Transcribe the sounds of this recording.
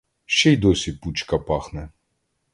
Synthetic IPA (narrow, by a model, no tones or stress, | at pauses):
ʃt͡ʃɛjd̪ɔsʲiput͡ʃkɐpɑxnɛ